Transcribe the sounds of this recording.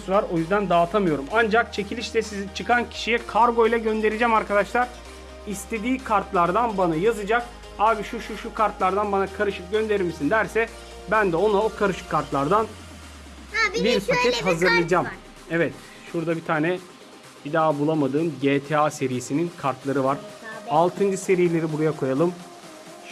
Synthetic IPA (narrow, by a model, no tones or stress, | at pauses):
suvˠaɾo̞jyzd̪ænd̪aːt̪ʰamɯjo̞ɾumand͡ʒak̚t͡ʃʰe̞cʰilʲiʃt̪ʲɛsizit͡ʃʰɯkʰancʰi̥ʃijɛkʰaɾɡo̞jlˠaɟø̞nd̪e̞ɾid͡ʒɛmaɾkʰad̪aʃlˠaɾ̥ | ist̪ʰe̞d̪iːkʰaɾt̪lˠaɾd̪anbanajazɯd͡ʒak | aːbiʃuʃuʃukʰaɾt̪lˠaɾd̪anbanakʰaɾɯʃɯp̚ɟø̞nd̪e̞ɾiɾmisind̪æɾsɛ | bænd̪ɛo̞naokʰaɾɯʃɯ̥kʰːaɾt̪lˠaɾd̪an | biɾsycɛt̪ɦazɯɾlˠɯad͡ʒam | ɛvɛt̪ | ʃuɾd̪abit̪ʰaːnɛ | bid̪aːbulˠamad̪ɯːmɟet̪ʰease̞ɾijesininkʰaɾt̪lˠaɾɯvaɾ̥alˠt̪ʰɯnd͡ʒɯse̞ɾijelʲe̞ɾibuɾajakʰo̞jalˠɯm